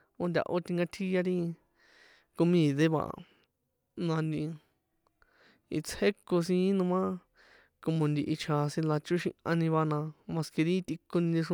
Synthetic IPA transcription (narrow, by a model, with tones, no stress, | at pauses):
o˦nd̪ʲa̰˧ʔo˧t̪i˧ŋɡa˧t̪ʰi˦ja˧ɾi˦ | ko˧mĩ˦˨ðe˦βa̰˧ʔ | nã˧nd̪ĩ˧ | ḭ˧t͡sʰhe˦ko˧s̬ĩ˧˦nũ˧mã˦ | ko˧mõ˧nd̪i˧ʔi˧t͡ʃʰa˧sĩ˧la˧t͡ʃu˦ʃḭ̃˧ʔã˧nĩ˧βa˧nã˧mã˧ske˧ɾi˦˧t̪i˧ko˧nĩ˧ndi˧ʂũ˧